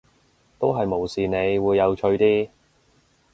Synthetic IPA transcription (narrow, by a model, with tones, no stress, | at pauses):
t̪o˥wɦɐ˨jmo˨˩wsiː˨ne˨˧jwuː˨˧jːɐ˨˧wt͡ʃʰɵ˧ɥt̪iː˥